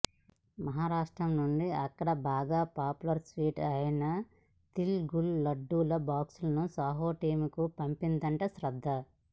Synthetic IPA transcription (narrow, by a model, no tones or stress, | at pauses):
mɐɦaːɾaːʂʈɾɐmnuɳɖiɐkːɐɽɐbaːɡaːpaːpulɐɾsʋiːʈɐjɐnɐ | t̪ilɡulːɐɖːuːlɐbaːksulɐnusaːɦoːʈiːmukupɐmpind̪ɐɳʈɐsɾɐd̪ʱːɐ